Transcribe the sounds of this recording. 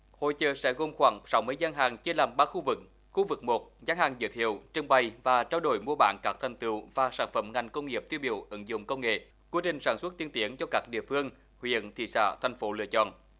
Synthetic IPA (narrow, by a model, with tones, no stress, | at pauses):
ho̰˧˨jt͡ɕəː˨˩sɛ̰˧˥ɣo˧mxwaː˧˩ŋsa˨˦wmɨ˧əjzaː˧˦nɦaː˨˩ŋt͡ɕe˧laː˨˩mɓaː˧xu˧vɨ˨˩k̚ | xu˧vɨ˨˩k̚mo˨˩t̚zaː˨˦ŋhaː˨˩ŋzɨ̰˧˨t̪ʰḭ˧˨əwt͡ɕɨ˧əŋɓa˨˩jvaː˨˩t͡ɕaː˧wɗo˧˩jmu˧əɓa̰ː˧˨nkaː˦˥k̚t̪ʰa˨˩jŋt̪ɨ̰˧˨wvaː˨˩saː˧˩nfə˧˩mŋa˨˩jŋ̟kə˧wŋ͡mŋi˨˩əp̚t̪wi˧wɓḭ˧˨əwʔɨ˨˦ŋzʊ̰˧˨ŋ͡mkə˧wŋ͡mŋḛ˧˨ | ku˨˦t͡ɕï˨˩ŋ̟saː˧˩nswə˦˥t̚t̪i˧ənt̪i˨˦əŋt͡ɕɔ˧kaː˦˥k̚ɗḭ˧˨əfɨ˧əŋ | hwḭ˧˨ənt̪ʰḭ˧˨sa̰ː˧˥t̪ʰa˨˩jŋ̟fo˨˦lɨ̰˧ət͡ɕɔ̰˧˨n